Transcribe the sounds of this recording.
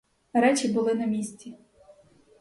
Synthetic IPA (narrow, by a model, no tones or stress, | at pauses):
ɾɛt͡ʃʲibʊlˠɪnɐmʲisʲt͡sʲi